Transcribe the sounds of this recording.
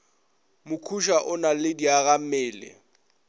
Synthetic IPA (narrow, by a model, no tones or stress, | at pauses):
mʊkʰuʃaʔʊnalɪdiaɣamɪːlɪ̰